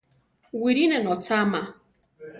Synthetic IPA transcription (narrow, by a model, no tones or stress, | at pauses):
wiɾinɛnɔtama